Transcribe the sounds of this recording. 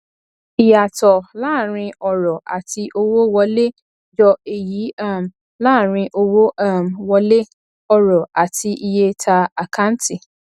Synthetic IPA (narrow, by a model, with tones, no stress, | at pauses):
i˨ja˨tɔ˨laː˦˨ɾ̃ĩ˧ɔ˨ɾɔ˨ʔa̰˨tʰi˧ʔo˦wo˦wɔ˦le˦ | d͡ʒɔ˧e˨ji˨˦a˦˨m | laː˦˨ɾ̃ĩ˧ʔo˦wo˦mwɔ˧le˦ | ɔ˦ɾɔ˨a˨tʰi˧ʔi˧je˦tʰa˧a˨kʰã˦n˦ti˨